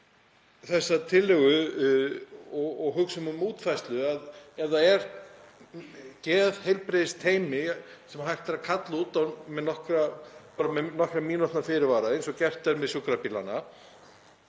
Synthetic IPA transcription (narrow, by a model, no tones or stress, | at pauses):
θɛsːat̪ʰɪlːɛɣʏ | ɔɣɔɣɦʏksʏmʏmuːt̪fajst̪lʏaðɛɾðaɛɾ | cɛːðhejlpɾeːðɪst̪ʰeːjmɪsɛmaɦajr̥t̪ɾakʰat̪laut̪anmɛðnɔhkɾapaːɾamɛnɔhkɾamiːnɔt̪nafɪɾɪɾvaːɾaensɔcɛr̥t̪ɛnmɛðsʏkɾapiːla̰na